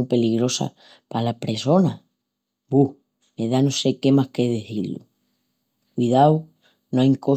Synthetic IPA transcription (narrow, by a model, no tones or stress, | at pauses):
upe̞liɣɾo̞sa̰ | palapɾe̞so̞na | buh | me̞ðanose̞ke̞mahke̞ðeθilṵ | kwiðaw | noajŋko̞